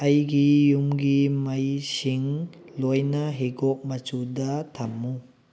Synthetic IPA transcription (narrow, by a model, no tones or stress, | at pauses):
ɐjɡijumɡimajsiŋlojnɐɦeɡɔk̚mɐt͡ʃudɐtʰamːu